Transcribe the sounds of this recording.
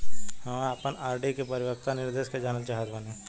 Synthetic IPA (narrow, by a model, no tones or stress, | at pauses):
ɦɐməpənaːɾɖikepɐɾɪʋək̚t̪anɪɾd̪eːʃkad͡ʒaːnat͡ʃaːɦəd̪bəne